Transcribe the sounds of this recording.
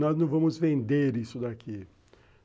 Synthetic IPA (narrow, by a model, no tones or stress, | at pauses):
nɔznɐ̃w̃vɐ̃mʊzvẽnd̪eɾisʊd̪akʰi